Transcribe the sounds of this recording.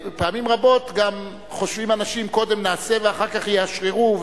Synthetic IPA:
paamimʁabo̞t̪ɡam | χo̞ʃvimanaʃimko̞d̪emnaːseveaχaʁkaχjeaʃʁiʁuv

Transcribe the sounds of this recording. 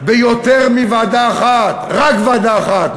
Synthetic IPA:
bejot̪eʁmivad̪aaχat̪ʁakvad̪aːχat̪

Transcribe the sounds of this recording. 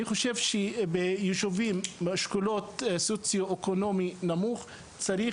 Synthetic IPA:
niχo̞ʃe̞vʃebejuʃovimʃkulo̞t̪sot͡sjoekono̞minamuχ | t͡saɾi

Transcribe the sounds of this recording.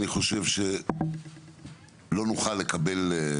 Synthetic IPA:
niχo̞ʃe̞vʃe | lo̞nuχalːekabe̞l

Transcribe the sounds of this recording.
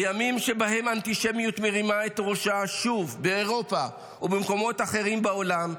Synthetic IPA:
jamimʃe̞baɦe̞mant̪iʃemjutmeʁimaetʁoʃaʃuvbeːʁo̞pa | ubemko̞mo̞taχe̞ʁimbeo̞lam

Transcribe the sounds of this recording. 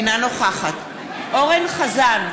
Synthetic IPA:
nanoχaχat̪ | ʔoʁenχazan

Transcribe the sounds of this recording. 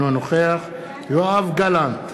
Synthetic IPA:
onoχeaχ | joavɡalant

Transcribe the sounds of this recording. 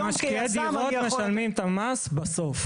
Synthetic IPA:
maʃkkied̪iotmeʃalmimt̪amasbasof

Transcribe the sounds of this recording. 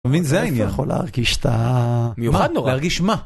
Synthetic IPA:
evinzeainijaχo̞lḛa̰ʁɡiʃe̥t̪amejumaad̪noʁleaʁɡiʃma

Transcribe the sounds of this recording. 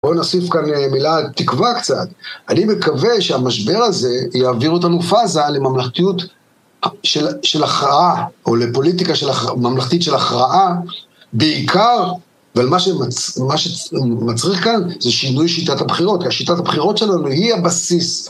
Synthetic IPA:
bo̞nasifkanemilat̪ikvakt͡sa̰t̪animekaveʃeamaʃbe̞ʁaze̞jaːviʁot̪anufazale̞mamlaχt̪ijut | aʃelʃe̞laχʁaʔao̞lepo̞lit̪ikaʃelamamlaχt̪itʃelaχʁaʔa | beikʰaʁ | avalmaʃemamaʃemat͡sʁiχkanzeʃinujʃitatabχiʁo̞t̪kiaʃit̪atabχiʁo̞tʃe̞lanuhiabasis

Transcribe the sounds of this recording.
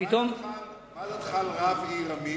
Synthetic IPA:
it̪om | lt̪χalʁaviʁami

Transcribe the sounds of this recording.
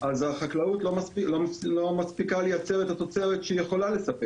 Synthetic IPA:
azaχaklaut̪lomaspilolo̞maspikalejat͡se̞ʁet̪at̪o̞t͡seʁet̪ʃeijeχo̞lale̞sape

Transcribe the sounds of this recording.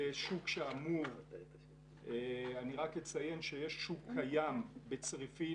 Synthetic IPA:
eʃukʃeamuv | eaniʁakjet͡saje̞nʃejeʃʃukʰːajambet͡sʁifi

